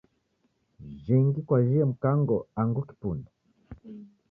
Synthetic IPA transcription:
ʒiŋɡikwaʒiɛm̩kaŋɡɔaŋɡuki̥punda

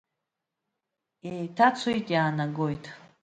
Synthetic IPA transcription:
ejtʰat͡sʷʰojtʼjaːnaɡojtʰʼ

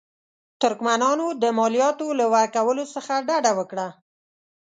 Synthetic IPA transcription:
t̪ʊɾkmanɑnod̪əmɑlijɑt̪olawaɾkawəlosəxaɖaɖawəkɽa

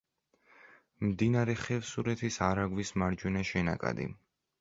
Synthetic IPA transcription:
md̪inaɾɛχɛvsuɾɛt̪ʰisaɾaɡwismaɾd͡ʒwɛnaʃɛna̰kʼa̰d̪ḭ

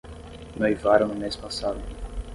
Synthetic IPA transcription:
nojvaɾɐ̃nʊmespasad̪ʊ

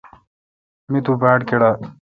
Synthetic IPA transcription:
mit̪ʰubaːʈkeɽa

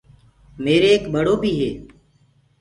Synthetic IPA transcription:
meːɾeːkɓəɽoːbʱiːɦeː

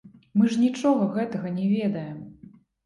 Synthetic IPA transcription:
mɨʐnʲit͡ʂɔɣɐɣɛt̪ɐɣɐnʲɛvʲɛd̪ɐjɛm

